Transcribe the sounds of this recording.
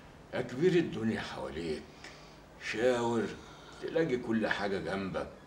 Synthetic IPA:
ʔækbiːɾɪd̪ːʊnjaħa̰wæ̰ːliːk | ʃæːwɪɾ | t̪elæːɡikʊlːħaːɡæɡæmbæ̰k̚

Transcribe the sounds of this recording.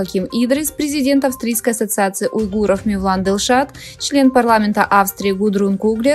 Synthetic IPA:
ɐkʲimid̪ɾʲɪspɾʲɪzʲɪdʲe̞nt̪ɐfst̪ɾʲijskəjɐsət̪sɨat̪sɨɪʔʊjɡuɾəfmʲɪvlˠand̪əlˠʂat̪ | t͡ɕlʲe̞npɐrlˠamʲɪnt̪əʔafst̪ɾʲɪːɡʊd̪ɾunkuɡlʲɪ

